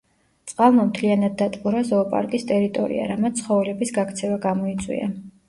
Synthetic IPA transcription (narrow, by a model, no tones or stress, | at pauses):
t̪sʼqʼalˠmamt̪ʰlianad̪̚ːat̪ʼquɾazɔpʼa̰ɾkʼist̪ʼɛɾit̪ʼɔ̰ɾḭa̰ɾamat̪sʰχɔvɛlɛbisɡakt̪sʰɛvaɡamɔit̪sʼwḭa̰